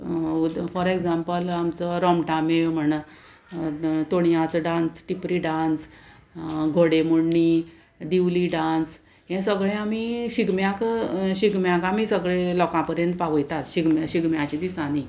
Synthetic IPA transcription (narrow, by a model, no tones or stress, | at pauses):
ufɔɾekd͡zãmpəlamt͡sɔɾɔmʈamem̤əɽ̃ə | t̪oɳjãt͡sɖãnsʈipɾiɖãns | ɡʱoɽemuɽɳi | d̪iʋliɖãns | jẽsəɡɭẽamiɕiɡmjãkɕiɡmjãkamisəɡɭelɔkãpəɾjənt̪paʋəjt̪at̪ɕiɡmjaɕiɡmjãt͡ɕid̪isani